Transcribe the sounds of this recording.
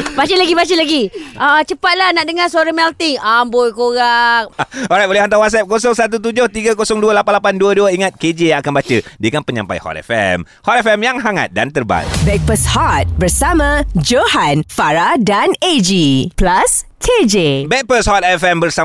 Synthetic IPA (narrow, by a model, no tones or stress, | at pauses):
bat͡ʃəlaɡibat͡ʃəlaɡiʔət͡ʃəpat̪̚lahnaʔdəŋasuaɾamɛlt̪iŋambojkoɣak̚ɔɾajt̪̚olɛɦant̪awat̪sɛp̚kosɔŋsat̪̬ut̪̬ud͡ʒoht̪iɡakosɔŋduəlapanlapanduəduəiŋat̪̚ked͡ʒejaŋakanbat͡ʃədikanpəɲa̰mpa̰jhɔ̰t̪ɛ̰fɛ̰m | hɔt̪ɛfɛmjaŋɦaŋa̰t̪̚da̰nt̪ərba̰tbɛk̚pəshɔt̪̚bəɾsamãd͡ʒohanfaɾadaned͡ʒiplaskʰed͡ʒebɛk̚pəshɔt̪̚ɛfɛmbərsa